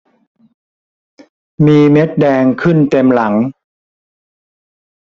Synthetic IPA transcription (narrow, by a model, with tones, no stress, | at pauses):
miː˧me˦˥t̪̚dɛː˧ŋkʰɯ˥˩nt̪e˧mla˩˦ŋ